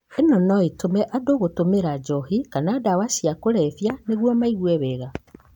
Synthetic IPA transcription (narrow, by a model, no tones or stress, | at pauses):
enɔnɔetomɛʔadoːɣotomeɾad͡ʒɔhikanaːdawasiakoɾɛfjaneɣwɔmaiɣwɛβeɣa